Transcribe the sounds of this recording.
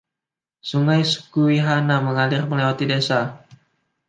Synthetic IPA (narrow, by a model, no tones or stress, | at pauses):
suŋajsə̥kuiɦanaməŋalɪrməlewat̪idesa